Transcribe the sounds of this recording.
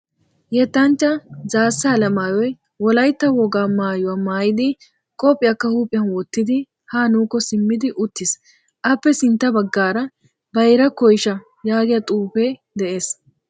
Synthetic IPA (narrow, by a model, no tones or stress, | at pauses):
jɛt̪ːɐnt͡ʃːɐzaːsːaːlɐmaːjɔj | wɔlɐjt̪ːɐwɔɡaːmaːjʊwamaːjɪd̪ɪ | kʼɔpʼːɪjɐkːɐhuːpʼɪjɐnwɔt̪ːɪd̪ɪ | haːnuːkːɔsɪmːɪd̪ɪʔʊt̪ːɪs | ʔɐpːɛsɪnt̪ːɐbɐɡːaːɾɐ | bɐjɾɐkɔjʃɐ | jaːɡɪjɐt̪ʼuːpeː | d̪ɛʔe̞ːs